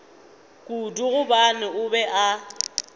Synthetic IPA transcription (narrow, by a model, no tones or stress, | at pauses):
kʼuduɣʊbanɪʊbɛʔa